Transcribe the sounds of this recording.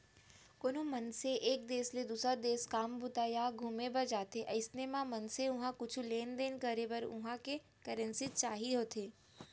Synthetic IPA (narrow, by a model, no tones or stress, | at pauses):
koːnomɐnseʔeːk̚d̪eːsled̪uːsɾad̪eːskaːmbʊt̪aːjaɡʱumebɐd͡ʒaːt̪eʔɐɪsnemãmɐnseʊɦãkʊt͡ʃʰuleːnd̪eːnkəɾebɐɾʊ̰ɦãke | kəɾə̃nsit͡ʃaːɦiɦoːt̪ʰeː